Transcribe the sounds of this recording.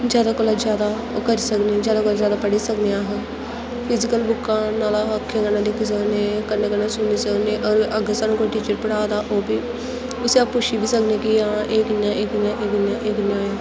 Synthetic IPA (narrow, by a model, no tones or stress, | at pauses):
d͡ʒjaːd̪aːkoːlad͡ʒjaːd̪aː | okəɾiːsəknẽd͡ʒjaːd̪aːkoːlaːzjaːd̪aːpəɽiːsəkneːaːɦə | pʰɪzɪkəlbʊkːãːnaːlaːəkʰːẽːɡənːãːd̪ikʰɪs̬əkneːkənːeːkənːaːsʊniːsəkneːʔəɡəɾʔəɡəsaːnũːkoʈiːt͡ʃəɾpəɽaːd̪aːʔoːbiː | ʊseapʊʃiːbiːsəkneːkɪãʔeːkɪnjãːʔeːkɪjãːʔeːkɪnːãːʔeːkɪnjãːeː